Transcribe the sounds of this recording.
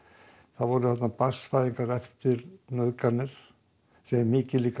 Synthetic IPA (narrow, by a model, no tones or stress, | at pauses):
θaðvɔɾʏθat̪napḁsfaːjðiŋkaɾɛft̪ɪɾnœðkanːɪɾ̥ | sɛmmɪːcɪliːka